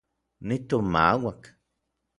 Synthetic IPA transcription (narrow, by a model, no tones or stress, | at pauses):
nit̪oma̰wak